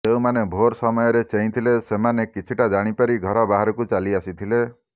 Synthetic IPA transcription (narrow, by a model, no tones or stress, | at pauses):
t̪eumanebʱoɾsɔmɔjɔɾet͡ʃeɦĩt̪ʰilesemanekit͡ʃʰiʈad͡ʒaɽ̃ipaɾiɡʱɔɾɔbaɦaɾɔkut͡ʃaliasit̪ʰile